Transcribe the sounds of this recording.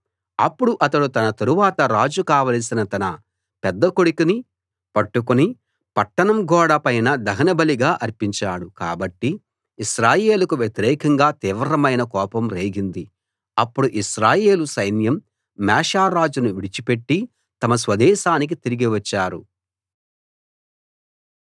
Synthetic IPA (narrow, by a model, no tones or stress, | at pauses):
ɐpːuɽuʔɐt̪ɐɽut̪ɐnɐt̪ɐɾuʋaːt̪ɐɾaːd͡ʒukaːʋɐːlsinɐt̪ɐnɐ | pɛd̪ːɐkoɽukini | pɐʈːukuni | pɐʈːɐɳɐmɡɔːɽɐpɐjnɐd̪ɐɦɐnɐbɐliɡaːʔɐɾpiɲt͡ʃaːɽuka̰ːbɐʈːiː | ʃɾaːjeːlɐkuʋjet̪iɾɛːkɐŋɡaːt̪iːʋɾɐmɐjnɐkɔːpɐmɾe̞ːɡind̪i | ɐpːuɽuʔiʃɾaːje̞ːlusɐjnjɐmː | ɛːʂaːɾaːd͡ʒunuʋiɽit͡ʃipe̞ʈːi | t̪ɐmɐs̬ʋɐd̪ɛːʃaːnik̬it̪iɾiɡiʋɐt͡ʃːaːɾṵ